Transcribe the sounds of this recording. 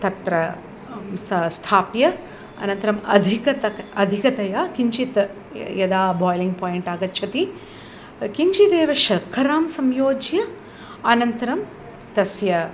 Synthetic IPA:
t̪ɐt̪ɾɐ | sɐst̪ʰaːpjɐ | ɐ̰nɐnt̪ɐɾɐmɐ̰d̪ʱikɐt̪ɐɐd̪ʱikɐt̪ɐjaːkiɲt͡ʃit̪ | jɐd̪aːbʱoːjliŋɡpoːjeɳʈaːɡɐtːt͡ʃʰɐt̪i | kiɲt͡ʃid̪eːʋɐʃɐkʰːɐɾaːmsɐmjoːd͡ʒjɐ | ɐnɐnt̪ɐɾɐm | t̪ɐsjɐ

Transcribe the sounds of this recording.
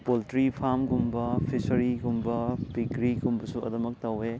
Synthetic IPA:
poltɾipʰamɡumbɐpʰisɐɾiɡumbɐpiɡɾiɡumbɐsuɐ̰dɐmɐk̚tɐwe

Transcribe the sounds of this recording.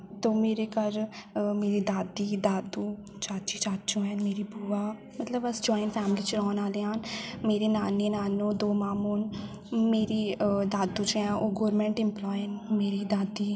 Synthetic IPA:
t̪oːmeːɾeːkəɾmeːɾiːd̪aːd̪iːd̪aːd̪ũː | t͡ʃaːt͡ʃit͡ʃaːt͡ʃũːɦɛːnmeːɾiːbuːaː | mət̪ləbəsd͡ʒɔːɪnpʰɛːmliːt͡ʃɾɔːnaːleːaːnmeːɾeːnaːneːnaːnõːd̪oːmaːmoːn | meːɾiːd̪aːd̪ũːt͡ʃɛ̃ːoːɡɔːɾmɛ̃ːɳʈɪ̃mplɔːjənmeːɾiːd̪aːd̪iː

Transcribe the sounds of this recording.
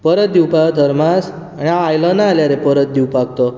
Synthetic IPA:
pəɾət̪̚d̪iwpad̪ʱəɾmas | aniãwajlɔnaaljaɾepəɾət̪̚d̪iwpaɡ̚t̪ɔ

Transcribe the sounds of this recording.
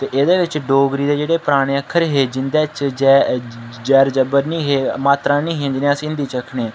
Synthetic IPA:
t̪eːʔed̪eːʋɪt͡ʃɖoːɡɾiːd̪eːd͡ʒeːɽeːpəɾaːɽ̃eːəkʰːəɾɦeːd͡ʒɪnd̪eːt͡ʃd͡ʒɛːd͡ʒɛːɾd͡ʒəbəɾnĩːɦeːmaːt̪ɾãːnĩːɦẽd͡ʒɪnẽsĩːɪnd̪iːt͡ʃəkʰɳeː

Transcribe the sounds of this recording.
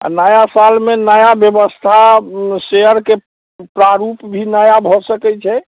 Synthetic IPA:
a̰nəjasalmenəjabjəbəst̪ʰaseəɾke | pɾaɾupbʱinəjabʱɔsəkɛt͡ʃʰɛ

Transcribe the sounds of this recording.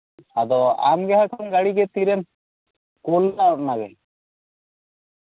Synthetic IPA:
ad̪ɔa̰mɡɛɦakʰanɡaɽiɡɛt̪iɾɛm | kolːaɔʈ̚naɡɛ

